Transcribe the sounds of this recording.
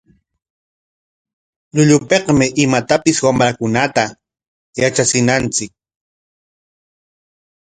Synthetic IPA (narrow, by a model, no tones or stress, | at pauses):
ʎʊʎʊpeqmɪʔɪmat̪apɪswamɾakʊnat̪a | jat͡ʃat͡sɪnant͡sɪk̚